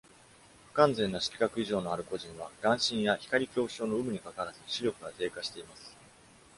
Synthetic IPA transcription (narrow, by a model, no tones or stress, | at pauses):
kãnd͡zẽ̞nːoɕi̥kʲi̥kakɯ̟iʑo̞ːno̞aɾɯ̟ko̞ʑĩɰ̃βaɡ̥ãɰ̃ɕĩɰ̃jaçi̥kaɾʲikʲo̞ːɕo̞ːno̞ɯ̟mɯ̟ɲ̟ikakaɾasɨɕiɾʲo̞kɯ̟ɡat̪e̞ːkaɕi̥t̪e̞imasɨ̥